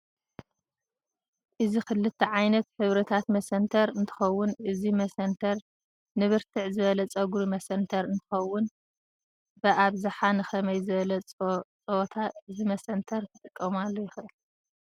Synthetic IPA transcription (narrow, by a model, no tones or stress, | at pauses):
ʔɨzixɨlːɨt̪ʰːɐʕajnɐt̪ħɨβɾɐt̪ʰat̪mɐsɐnt̪ʰɐɾɨnt̪ʰɨ̥xɐwːʊnʔɨzimɐsɐnt̪ʰɐɾ | nɨβɨɾt̪ʰɨʕzɨβɐlɐt͡sʼɐɡuɾumɐsɐnt̪ʰɐɾɨnt̪ʰɨ̥xɐwːʊn | b̥ɐʔaβzaħanɨxɐmɐjzɨβɐlɐt͡sʼt͡sʼoot̪ʰaɨzimɐsɐnt̪ʰɐɾt̪ʰɨt̪ʼɨkʼːɐmalːojɪxʔɨl